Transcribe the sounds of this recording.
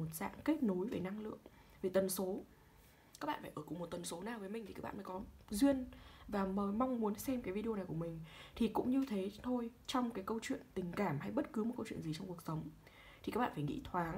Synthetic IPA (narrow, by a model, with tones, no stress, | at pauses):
o˨˩t̚za̰ː˧˨ŋke˦˥t̚no˨˦jve˨˩na˧ŋlɨ̰˧˨əŋ | ve˨˩t̪ə˨˩nso˨˦ | kaː˦˥k̚ɓa̰ː˧˨˩fːjʔəː˧˩ku˨˩ŋ͡mmo˨˩t̚t̪ə˨˩nso˨˦naː˨˩vəː˨˦jmi˨˩ŋ̟t̪i˨˩kaː˦˥ɓ̰aː˧˨fəː˨˦kɔ˨˦zwi˧ənvaː˨˩məː˨˦jma˧wŋ͡mmu˨˦ənsɛ˧mkaː˨˦jvi˧i˧o˧na˨˩jku˧˩əmï˨˩ŋ̟t̪ʰi˨˩kʊ̰˧˥ŋ͡mɲɨ˧t̪ʰe˨˦t̪ʰo˧jt͡ɕɔ˧wŋ͡mkaː˨˦jkə˧wt͡ɕwḭ˧˨ənt̪ï˨˩ŋ̟kaː˧˩mha˧jɓə˦˥t̚kɨ˨˦mo˨˩kə˧wt͡ɕwḭ˧˨ənzi˨˩t͡ɕɔ˧ŋ͡mku˨˩ək̚sə˨˦wŋ͡m | t̪ʰi˨˩kaː˦˥k̚ɓ̰aː˧˨˩faː˧˩ŋḭ˧˥t̪ʰwaː˨˦ŋ